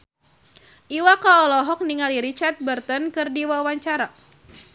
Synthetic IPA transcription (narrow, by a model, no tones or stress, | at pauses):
ʔiwakaɔlɔɦɔk̚niŋaliɾit͡ʃart̪̚bərt̪ənkɨrdiwawaɲt͡ʃaɾa